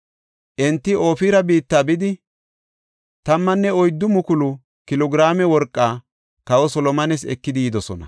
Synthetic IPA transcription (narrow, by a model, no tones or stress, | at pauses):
ʔɛnt̪ːɪo̞ːfiːɾɐbiːt̪ːaːbɪd̪ɪ | t̪ɐmːɐnːɛɔjd̪ːʊmʊkʊlʊ | kɪlɔɡɪɾaːmɛwɔɾkʼːaː | kɐwɔsɔlɔmɐnɛs̬ɛ̰kːɪd̪ɪːd̪ɔsɔnɐ̰